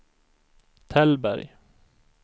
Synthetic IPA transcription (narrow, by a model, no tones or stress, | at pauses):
t̪ʰɛlbæ̰ɾj